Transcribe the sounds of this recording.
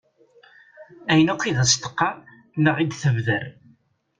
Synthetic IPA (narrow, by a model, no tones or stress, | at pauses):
æjənæqʷːiðæst̪ə̥qːɑ | nəʁid̪θəvðəɾ